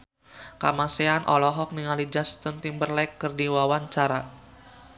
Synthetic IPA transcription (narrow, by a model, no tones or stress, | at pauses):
kamaseanʔɔlɔɦɔk̚niŋalid͡ʒast̪ənt̪imbərlakːərdiwawaɲt͡ʃaɾa